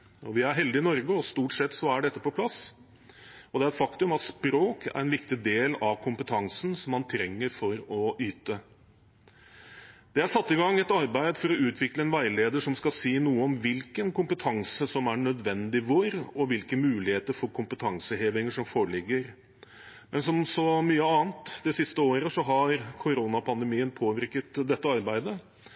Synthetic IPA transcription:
ɔʋɪæɾɦɛld̪ɪɪnɔɾɡəɔst̪uːʈsɛt̪ːsɔæɖɛt̪ːəpɔpʰlɑs | ɔd̪ɛæɾɛt̪fɑkt̪ʉmɑt̪spɾoːkʰæ̰ɾɛnʋɪkt̪ɪd̪eːlɑʋkʰʊmpət̪ʰɑŋsn̩sɔmːɑnt̪ʰɾɛŋːəɾfɔɾɔʔyːt̪ə | d̪̥ɛæʂɑt̪ːɪŋɡɑŋːɛt̪ɑɾbæɪd̪fɔɾɔʉːt̪ʰʋɪkləɛnʋæɪleːd̪əʂɔmskɑsiːnuːəɔmʋɪlkənkʊmpət̪ʰɑŋsəsɔmæɳœd̪ʋɛnd̪ɪʋoːɾɔʋɪlkəmʉːlɪheːt̪əɾfɔɾkʰʊmpət̪ʰɑŋsəheːʋɪŋəʂɔmfoːɭɪɡːəɾ | mɛnsɔmsɔmyːəɑːnt̪d̪ɛsɪst̪əoːɾəsɔɦɑɾkʰʊɾuːnɑpʰɑnd̪əmiːənpʰoːʋɪɾkət̪d̪ɛt̪ːəɑɾbæɪd̪ə

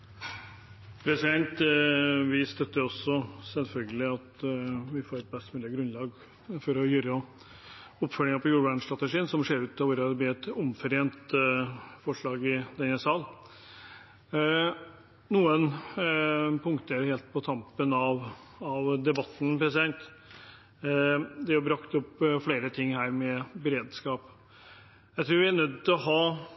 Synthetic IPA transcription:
pʰɾɛsɪd̪ɛnt̪ | ʋɪst̪œt̪ːəɔsːɔsɛlfœlɡəlɪɑt̪ʋɪfoːɾɛt̪̚bɛst̪mʉːlɪəɡɾʉnlɑːɡ | fɔɾɔjʏɾə | ɔpfœlɪŋɑpʰɔjuːɾbæɳst̪ɾɑt̪əʂiːənsɔmʂeːɾʉːt̪ʰːɑʋʊɾɑd̪b̪iːɛt̪ʊmfœɾeːnt̪ | fɔʂɭɑːɡɪd̪ɛnːəsɑːl | nuːən | pʰʊŋkt̪ʰəɾheːlt̪̚pʰɔt̪ʰɑmpənɑʋ | ɑʋd̪ɛbɑt̪ːn̩pɾɛsɪd̪ɛŋt̪ | d̪ɛɔbɾɑkt̪ɔpːfleːɾət̪ʰɪŋːhæːɾmɛbɛɾeːd̪skɑːp | jæɪt̪ʰɾʉːɾʋɪænœd̪̚tːt̪ɪlɔɦɑː

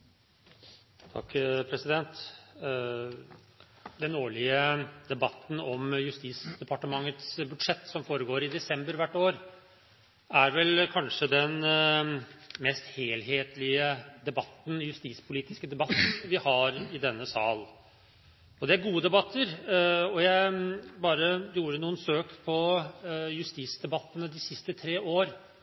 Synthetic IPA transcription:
t̪ʰɑ̰kːpʰɾɛsɪd̪ɛnt̪ | d̪ɛnoːɭɪəd̪ɛbɑt̪ːn̩ɔmjʉst̪iːsd̪ɛpʰɑʈəmɑŋːət̪sbʉd̪ʂɛt̪ːsɔmfoːɾəɡoːɾɪd̪ɛsɛmbəɾʋæʈːoːɾ | æɾʋɛlkʰɑnʂəd̪ɛn | mɛst̪heːlɦeːt̪lɪəd̪ɛbɑt̪ːn̩jʉst̪iːspʰʊliːt̪ɪskəd̪ɛbɑt̪ːʋɪhɑɾɪd̪ɛnːəsɑːl | ɔd̪ɛæɾɡuːəd̪ɛbɑt̪ʰːəɾɔjæɪbɑːɾəjuːɾəənuːənsøːkpʰɔ | jʉst̪iːsd̪ɛbɑt̪ːənəd̪ɪsɪst̪ət̪ʰɾeːʔoːɾ

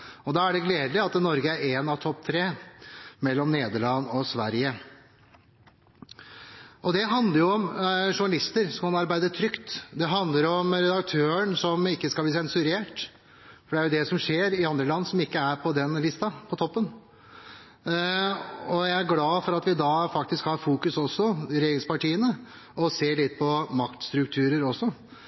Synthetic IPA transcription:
ɔd̪ɑæɖɛɡleːd̪lɪɑt̪nɔɾɡəæɾeːnɑʋt̪ʰɔpːt̪ʰɾeː | mɛlːɔmneːd̪əɭɑnːɔsʋæ̰ɾjə | ʔɔd̪ɛɦɑnd̪ləɾjʊɔmʂʊɳɑlɪst̪əɾsɔmkɑnɑɾbæɪd̪ət̪ʰɾʏkt̪d̪ɛɦɑnd̪ləɾɔmɾɛd̪ɑk̚t̪ʰøːəɳsɔmɪkːəskɑbliːsɛnsʉɾeːʈ | fɔɖɛæɾjʊd̪ɛsɔmʂeːɾɪɑnd̪ɾəlɑnːsɔmɪkːəæɾpʰɔd̪ɛnlɪst̪ɑpʰɔt̪ʰɔpːən | ɔjæɪæɾɡlɑːfɔɾɑt̪ʋɪd̪ɑːfɑk̚t̪ɪskhɑɾfuːkʉsɔsːɔɾɛjeːɾɪŋspɑʈiːənə | ʔɔseːɭɪt̪̚ːpʰɔmɑkt̪st̪ɾʉkt̪ʰʉːɾəɾɔsːɔ

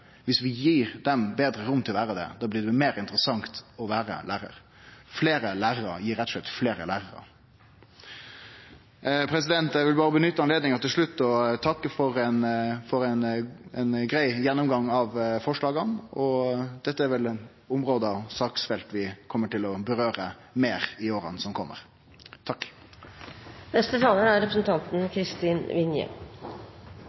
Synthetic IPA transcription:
ʋɪsʋɪjiːɾd̪ɛmbeːd̪ɾəɾʊmːt̪ʰɪlɔʋæːɾəd̪ɛ̰d̪ɑːblɪɖd̪ɛmeːɾɪnt̪əɾəsɑŋt̪ɔʋæːɾə̰lʔæːɾə̰ɾ | fleːɾəlæːɾəɾə̰jiːɾɛt̪ːɔ̥ʂlɛt̪ːfleːɾə̰læːɾəɾə̰ | pʰɾɛsɪd̪ɛnt̪jæʋɪlbɑːɾəbənʏt̪ːəɑnleːd̪nɪŋɑt̪ɪlʂɭʉt̪ːɔt̪ʰɑkːəfɔɾɛnfɔɾɛnɛnɡɾæɪjɛnːʊmɡɑŋːɑʋfɔʂɭɑːɡɑnɔd̪̥ɛt̪ːəæɾʋɛlɛn | ʊmɾoːd̪əɑʋsɑːksfɛlt̪ʋɪkʰɔmːəʈɪlɔbəɾøːɾə | meːʁɪoːɾə̰nsɔmkʰɔmːə̰ɾ | t̪ʰɑkː | nɛst̪ət̪ʰɑːləɾæɾɾɛpɾəsn̩t̪ʰɑnt̪n̩kʰɾɪst̪iːnʋɪnjə̰

